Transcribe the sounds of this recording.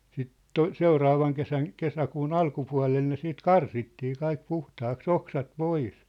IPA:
siːt to seurɑːʋɑŋ kesæn kesækuːn ɑlkupuɑ̝lel ne siːt kɑrsitːiː kɑik puhtɑːks oksɑt pois

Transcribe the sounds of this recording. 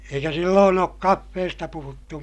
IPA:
eikæ silːoːn oːk kɑfːeːstɑ puhutːu

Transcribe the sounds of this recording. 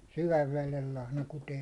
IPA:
syʋæʋ ʋelel lɑhnɑ kuteː

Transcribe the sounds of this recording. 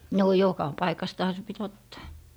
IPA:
noː jokɑ pɑikɑstɑhɑ se pit otːɑː

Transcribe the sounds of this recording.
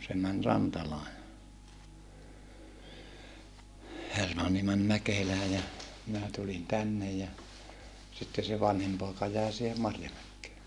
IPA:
se mæn rɑntɑlɑː jɑ hermɑnːi mæn mækelæː jɑ minæ tulin tænːej jɑ sitːe se ʋɑnhim poˑekɑ jæˑe sihe mɑrjɑmækːeː

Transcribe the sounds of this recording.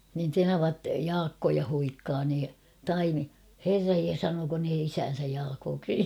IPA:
nin tenɑʋɑt jɑːkːojɑ huikːɑː niː tɑimi herːɑj je sɑnoːko ne isæːn̞sæj jɑːkoːksi

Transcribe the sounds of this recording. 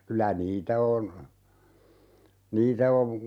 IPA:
kylæ niːtæ on niːtæ oʋ

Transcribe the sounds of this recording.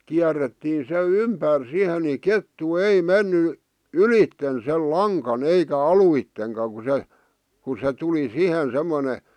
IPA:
kiæretːiːn se ympær sihe ni ketːu ei menːy ylitːen sel lɑŋkɑn eikæ ɑluitːeŋkɑ ku se ku se tuli sihen semːone

